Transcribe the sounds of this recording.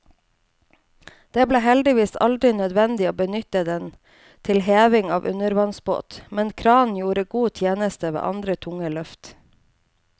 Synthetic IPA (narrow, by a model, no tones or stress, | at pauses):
d̪̥eːbleːhɛld̪ɪʋiːsɑ̰ld̪ɾɪnœd̪ʋɛnd̪ɪoːbənʏt̪əd̪ɛn | t̪ʰɪlɦeːʋɪŋɑ̰ːʋʔʉ̰nəɾʋɑnsbo̰ːt̪mɛnkʰɾɑːn̩juːɾəɡuːt̪ʰjeːnəst̪əʋḛːʔɑnd̪ɾət̪ʰʊŋəlœft̪